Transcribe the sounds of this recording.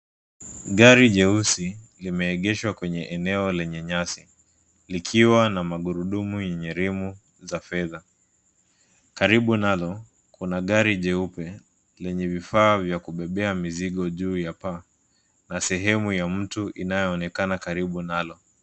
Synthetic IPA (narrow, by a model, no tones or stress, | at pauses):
ɠaɾiʄɛusilimɛːɠɛʃwakwɛɲɛʔɛnɛɔlɛɲɛɲasi | likʰiwanamaɠuɾuɗumujɛɲɛɾimu | zafɛða | kaɾiɓunalɔ | kʰunaɠaɾiʄɛupɛ | lɛɲɛvifaːvjakuɓɛɓɛamiziɠɔʄuːjapa | nasɛɦɛmujam̩tuʔinajɔːnɛkanakaɾiɓunalɔ